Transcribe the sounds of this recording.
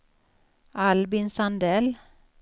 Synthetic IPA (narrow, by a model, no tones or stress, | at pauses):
ʔɑlbɪnsɑnd̪ɛl